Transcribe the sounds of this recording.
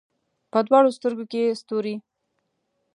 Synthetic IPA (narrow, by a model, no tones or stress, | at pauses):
pəd̪wɑɽost̪əɾɡokest̪oɾi